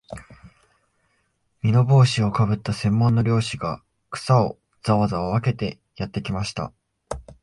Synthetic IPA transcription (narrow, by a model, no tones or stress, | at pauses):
mʲino̞bo̞ːɕio̞kabɯ̟t̪ːasẽ̞mːõ̞nːoɾʲo̞ːɕiɡa | kɯ̟̥sao̞ | d͡z̥aβazaoβake̞t̪e̞ | jat̪ːe̞kʲimaɕi̥t̪a̰